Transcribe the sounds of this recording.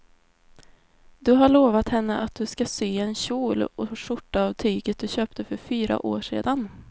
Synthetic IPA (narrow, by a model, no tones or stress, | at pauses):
d̪ɵɦaɭoːvat̪hɛnːəʔat̪̚d̪ɵskasyːɛnɕuːlɔʂʊʈːaːvt̪ʰyːɡət̪̚d̪ɵɕøːp̚t̪əfœɾfyːɾa̰ʔo̰ːʂḛːd̪an